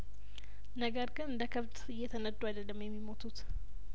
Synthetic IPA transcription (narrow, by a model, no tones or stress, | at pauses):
nəɡəɾɡɨnɨnd̪əkʰəβt̪ɨjːɛt̪ʰənəd̪uad̪əlːəmjɛmːimo̞t̪ʰut̪